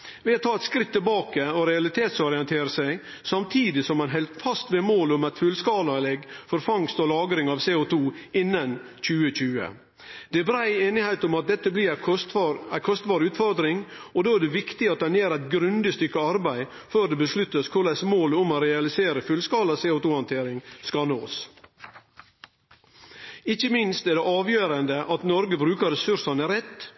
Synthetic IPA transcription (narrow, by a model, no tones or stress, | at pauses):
ʋɛɑt̪ʰɑːɛt̪skɾɪt̪ʰːɪlbɑːkəɔɾɛɑlɪt̪ʰeːt̪sɔɾɪənt̪ʰeːɾəsæɪ | sɑmt̪ʰiːd̪ɪsɔmːɛnɦɛlt̪fɑst̪ʋeːmoːlʊmæɪt̪fʉlskɑːlɑlɛɡfɔɾfɑŋst̪ɔlɑːɡɾɪŋɑʋseːʊt̪ʰuːɪnːən | c͡çʉːət͡ɕʉːə̰ | d̪̥ɛbɾæɪeːnɪhæɪt̪ʊmɑt̪̚d̪ɛt̪ːəblɪɾæt̪æɪkʰɔst̪bɑːɾəʉːt̪fɔɾd̪ɾɪŋɔd̪oːæɖɛʋɪkt̪ɪɑt̪̚d̪ɛnjeːɾæɪt̪ɡɾʉnd̪ɪst̪ʏkːəɑɾbæɪ | føːd̪ɛbəslʉt̪ːəskʰʊɖɛsmoːlʊmoɾɛɑlɪseːɾəfʉlskɑːlɑseːʊt̪uːhɑnt̪ʰeːɾɪŋskɑnoːs | ɪçəmɪnst̪æɖɛʔɑːʋjøːɾənd̪əʔɑt̪nɔɾɡəbɾʉːkəɾɛsʉɾʂɑnəɾɛt̪ː